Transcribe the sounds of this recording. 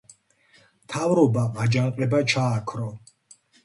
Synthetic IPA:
mt̪ʰavɾɔbaad͡ʒaŋqʼɛbat͡ʃʰaːkʰɾɔ

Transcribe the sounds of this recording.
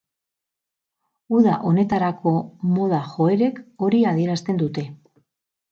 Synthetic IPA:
uðaʔo̞ne̞t̪aɾako̞mo̞ð̞axo̞e̞ɾe̞ko̞ɾiað̞ie̞ɾast̪e̞nd̪ut̪e̞

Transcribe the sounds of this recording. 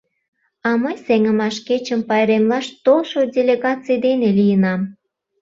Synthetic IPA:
ɑməjseŋə̆mɑʃket͡ɕəmpɑjɾemlɑʃt̪olʃodʲelʲeɣɑt͡sijd̪enelijənɑm

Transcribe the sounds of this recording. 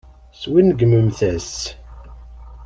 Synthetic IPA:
swinɡməmθæs

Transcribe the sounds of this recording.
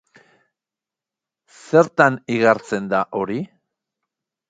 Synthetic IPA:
se̞ɾt̪aniɣaɾt͡se̞nd̪aʔo̞ɾi

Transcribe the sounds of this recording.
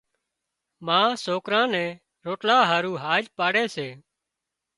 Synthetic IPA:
mãːsoːkɾãːnɛ̃ː | ɾoːʈlaːɦaːɾuːɦaːd͡ʒpaːɽeːseː

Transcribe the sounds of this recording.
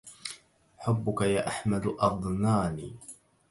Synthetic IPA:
ħʊbːʊkajaːʔaħmad̪ʔɑd̪ˤnaːniː

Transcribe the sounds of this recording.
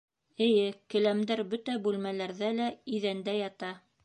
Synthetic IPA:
ɘ̆jɘkɘ̆læmd̪æɾbɵt̪æbʉlmælæɾðælæiðænd̪æjɑt̪ɑ

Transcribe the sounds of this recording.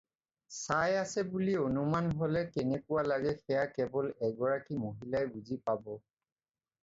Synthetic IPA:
sajasɛbulionumanɦolɛkɛnɛkʊwalaɡɛxɛjakɛbɔlɛɡɔɹakimoɦilajbuzipabɔ

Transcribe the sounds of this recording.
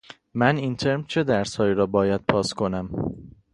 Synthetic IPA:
mæniːnt̪ʰe̞ɾmt͡ʃʰe̞d̪æɾshɒːiːɾɒːbɒːjæd̪̥̚pʰɒːskʰo̞næm

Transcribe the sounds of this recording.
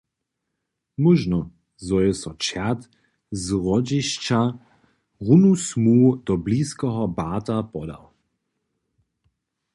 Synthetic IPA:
muʒnɔ | zɔjɛsɔt͡ʃɛt̪ | zʁɔd͡ʒɪʃt͡ʃa | ʁunusmuːd̪ɔbliːskɔɦɔbaːt̪apɔd̪a̰w

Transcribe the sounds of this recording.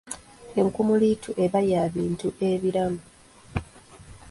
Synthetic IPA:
e̞ŋkumulitʰuʔe̞βajaːβiːntuʔe̞βiɾamu

